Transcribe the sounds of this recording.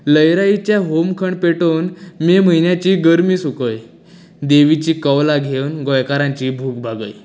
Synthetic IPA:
ləjɾait͡ɕjaɦomkʰəɳpeʈonmem̤əjnjat͡ɕiːɡəɾmiːsukəj | d̪eʋit͡ɕiːkəwlaɡʱewnɡɔjkaɾãɲt͡ɕiːbʱuːɡbʱaɡə̰j

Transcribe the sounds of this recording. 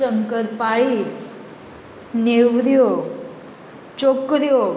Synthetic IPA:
əŋkəɾpaɭis | neʋɾjo | t͡ʃokɾjo

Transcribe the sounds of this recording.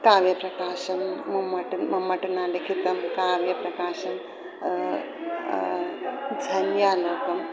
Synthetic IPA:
kaːʋjɐprɐkaːʃɐmːɐmːɐʈːumɐmːɐʈːunaːlekʰit̪ːɐmkaːʋjɐpɾɐkaːʃɐm | d͡ʒʱɐnjaːloːɡɐm

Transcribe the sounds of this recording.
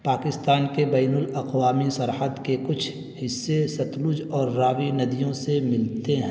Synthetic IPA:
paːkɪst̪aːnkebɛːnʊlɐqwaːmisɐɾɦəd̪kekʊt͡ʃʰ | hɪsːesɐt̪lʊd͡ʒɔːɾːaːwinɐd̪ijõsemɪlt̪eɦɛ̃

